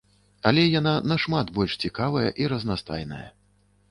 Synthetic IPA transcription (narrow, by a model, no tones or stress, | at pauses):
alʲɛjananɐʂmadt̪bɔlʲʂt͡sʲikavɐjɐ̰ʔiɾɐznast̪a̰jnɐ̰jɐ̰